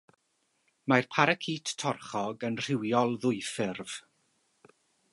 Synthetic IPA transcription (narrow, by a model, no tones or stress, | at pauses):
marpʰaɾəkʰiːtʰːɔrχɔɡənr̥ɪwjɔlˠðʊɨfɪrv̥